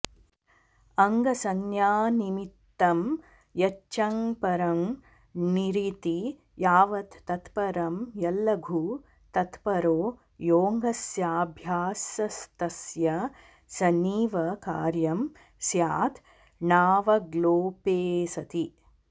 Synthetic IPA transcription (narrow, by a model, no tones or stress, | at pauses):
ɐŋɡɐsɐŋjaːnimit̪ːɐm | jɐt͡ʃːt͡ʃɐŋpɐɾɐm | niɾit̪i | jaːʋɐt̪ːɐt̪pɐɾɐmjɐlːɐɡʱu | t̪ɐt̪pɐɾoː | joːŋɡɐsjaːbʱjaːsjɐst̪ɐsjɐ | sɐniːʋɐkaːɾjɐm | sjaːt̪ | naːʋɐɡloːpeːsɐt̪i